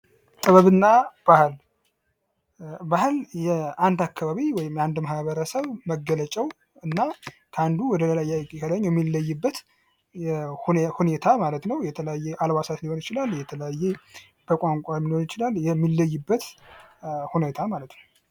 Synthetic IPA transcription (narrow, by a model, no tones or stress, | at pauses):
t̪ʼəβəβɨnːab̥ahl | bahljɛand̪akːaβaβiwɔjɪmand̪məhaβəɾəsəβməɡːələt͡ʃʼɛw | ɨnːakʰəand̪uwɔd̪ələlajakʼikʰəd̪əɲːjɛmːilːəjːɪbːət̪ | ɛhhune̞t̪ʰamalət̪nəwjɛt̪ʰələjajːɛʔalβasat̪niho̞nɪt͡ʃɪlaljɛt̪ʰələjajːɛ | b̥əkʼaŋkʷʼajɛnihonɪt͡ʃɪlaljɛmːilːəjːɨbːət̪ | hunet̪ʰamalət̪nəw